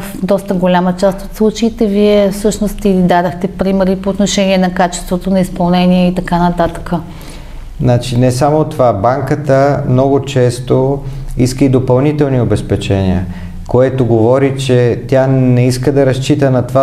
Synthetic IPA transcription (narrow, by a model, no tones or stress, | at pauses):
fd̪ɔst̪əɡolʲamət͡ʃast̪ot̪slˠut͡ʃeit̪ɛviɛfsɤʃnost̪ilid̪ad̪ɐxt̪ɛpɾimɛɾipoːt̪noʃɛniɛnɐkat͡ʃɛ̥st̪vot̪onɐispɐlˠnɛniɛit̪ɐkanɐt̪at̪ə̥kə | nat͡ʃinɛsamot̪ovabaŋkət̪əmnɔɡot͡ʃɛst̪oiskəid̪opɐlˠnit̪ɛlˠniobɛspɛt͡ʃɛniə | koɛt̪oɡovɔɾit͡ʃɛt̪ʲjanɛiskəd̪ɐɾɐst͡ʃit̪ənɐt̪va